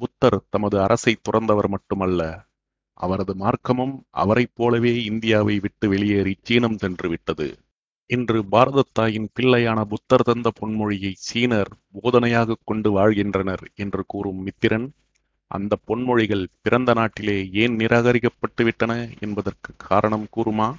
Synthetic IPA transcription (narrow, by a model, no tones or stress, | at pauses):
bʊt̪ːɐɾt̪ɐmɐðɯɐɾʔɐsɐɪt̪ːʊrɐnd̪ɐʋɐɾmɐʈːɯmɐlːɐ | ʔɐ̰ʋɐɾɐðɯmaːɾkɐmɯmʔɐ̰ʋɐɾɐɪpːoːlɐʋeːɪnd̪ɪjaːʋɐɪʋɪʈːɯʋɛɭɪjɐɾɪt͡ʃːiːnɐmsɛndrɯʋɪʈːɐðɯ̰ | ɛndrɯbaːɾɐðɐt̪ːaːjɪnpɪɭːɐjaːnɐbʊt̪ːɐɾt̪ɐnd̪ɐpɔɳmɔɻɪjɐɪsiːnɐɾboːðɐnɐjaːɣɐkːɔɳɖɯʋaːɻɣɪndrɐnɐɾɛndrɯkuːɾɯmːɪt̪ːɪɾɐn | ʔɐ̰nd̪ɐpːɔɳmɔɻɪɣɐɭpɪɾɐnd̪ɐnaːʈːɪleːeːnnɪɾʔaːɣɐɾɪkːɐpːɐʈːɯʋɪʈːɐnɐɛ̰nbɐðɐrkɯkʰːaːɾɐɳɐmkuːɾɯmaː